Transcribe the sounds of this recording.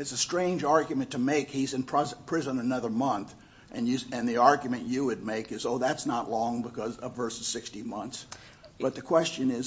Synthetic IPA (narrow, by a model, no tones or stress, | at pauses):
ɨtsɨstɹ̥ẽɪ̃nd͡ʒɑɹɡjɨmɨ̃ntʰɨmeɪkhizɨ̃npʰpʰɹ̥ɪzə̃nənʌðə˞mʌ̃nθ | ʔɨ̃njɨɨ̃nðiɑɹɡjɨmɨ̃nt͡ʃɨwɨd̚meɪkɨzoʊðætsnəʔˡlɔ̃ŋbəkʰʌzʌvɜ˞sɨz̥sɪkstimʌ̃nθs | b̥ʌt̪̚ðɨkʰw̥ɛst͡ʃɨ̃nɪz